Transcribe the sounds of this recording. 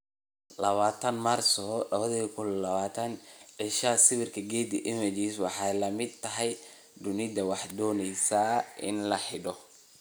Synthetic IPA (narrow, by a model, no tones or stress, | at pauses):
lɐβaːt̪ʰɐnmarsɔlɐβɐðɐkʰʊllɐβaːt̪ʰɐnʕɪʃaːsɪβɪrkʰɐɡɛːd̪ɪʔɪmɪt͡ʃiswɑħɑjlɐmɪd̪̚t̪ʰɐɦɛj | d̪ʊnɪd̪ɐwɑħd̪ɔːnɛjsaːʔɪ̰nlɐħɪɖɔ